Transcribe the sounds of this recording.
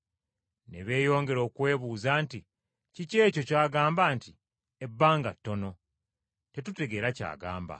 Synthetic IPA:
ne̞̰βe̞ːjo̞ːŋɡe̞ɾo̞ːkwe̞ːβuːzaːnti | cice̞ːco̞caːɡaːmbaːnti | ebːaːŋɡa̰tːo̞no̞ | te̞tute̞ɡe̞ːɾaca̰ːɡa̰ːmba̰

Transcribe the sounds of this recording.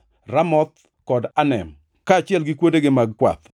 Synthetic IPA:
ramɔt̪̚ | kɔdanɛm | kaːt͡ʃɪɛlɡɪkwoteɡɪmaɡ̚kwa̰t̪

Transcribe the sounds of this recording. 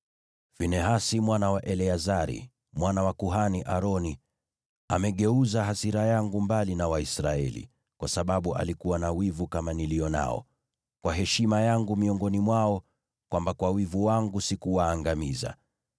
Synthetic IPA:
finɛɦasimwanawaʔɛlɛazaɾḭ | mwanawakuɦaniʔaɾɔni | a̰mɛɠɛuzaɦasiɾajaŋɡumbalinawaisɾaɛ̰lḭ | kwasaɓaɓuʔa̰likuwanawivukamanilijɔna̰ɔ̰ | kwaɦɛʃimajaŋɡumiɔŋɡɔnimwaɔ | kwʔambakwawivuwaŋɡusikuwaːŋɡamiza̰

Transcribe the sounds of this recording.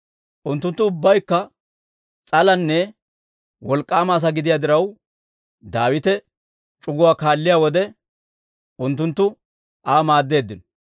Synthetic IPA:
ʔʊnt̪ːʊnt̪ːʊʊbːɐjkːɐ | t͡sʼɐlɐnːɛ | wɔlkʼːaːmaːs̬ɐɡɪd̪ɪjaːd̪ɪɾɐw | d̪aːwɪt̪ɛ | t͡ʃʼʊɡʊwaːkaːlːɪjaːwɔd̪ɛ | ʔʊnt̪ːʊnt̪ːʊ | aːmaːd̪ːe̞ːd̪ːɪnɔ

